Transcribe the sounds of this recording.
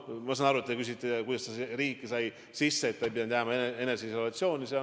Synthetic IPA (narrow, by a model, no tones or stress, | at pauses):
mɑsɑnɑɾuet̪̚t̪ekys̬it̪ːekujd̪̥ɑst̪ɑseɾiːkːˑisɑj | sisːe̞ːt̪̚ːɑjbid̪ɑnt̪jæːmɑeneeneseiso̞lɑt̪sjo̞ːnʲiseɑ